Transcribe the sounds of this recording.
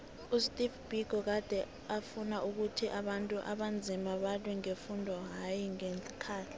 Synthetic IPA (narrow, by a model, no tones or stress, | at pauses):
ustʼifb̥iɡ̥ʱɔk̬ad̥ʱɛ | afunaʔuk̬utʰiʔaɓantʼuʔa̰ɓand͡zʱimaɓalwɛŋefundʱɔɦajiŋeni̥kʰaːɬɛ̥